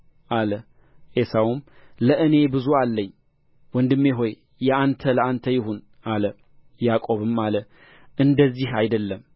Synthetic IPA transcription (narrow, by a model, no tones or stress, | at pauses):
ʔalə | ʔesawumləʔɨne̞bɨzualːəɲː | wɔnd̪ɨmːeɦo̞j | jɛant̪ʰələant̪ʰəjɪɦun | alə | jakʼo̞βɨmalə | ʔɨnd̪əzːihajd̪əlːəm